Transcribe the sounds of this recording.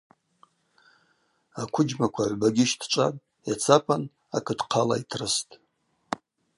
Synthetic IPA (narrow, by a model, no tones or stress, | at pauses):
akʷʰʊd͡ʒmakʷʰaʕʷbaɡʲɪʃtʰt͡ʃʷʼatʼ | jat͡sʰapʰan | a̰kʰɨdqʰala̰itʰrɨstʼ